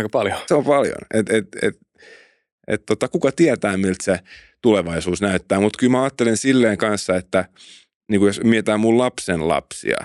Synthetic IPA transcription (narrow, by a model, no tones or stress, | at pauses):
kɑpɑljoseompɑljo̰net̪et̪ḛt̪ | ḛt̪t̪ot̪ɑkukɑt̪iæt̪æːmilt̪se | t̪uleʋɑisuːsnæyt̪ːæːmut̪kylmæɑːt̪ːelensilːeːŋkɑnsːɑet̪ːæ | niːŋkujosmiet̪æːmullɑpsenlɑ̰psḭɑ̰